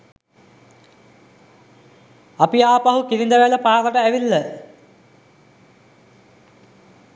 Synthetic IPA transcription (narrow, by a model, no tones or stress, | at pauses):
apiaːpaɦukiɾind̪əʋæləpaːkəʈəæʋilːə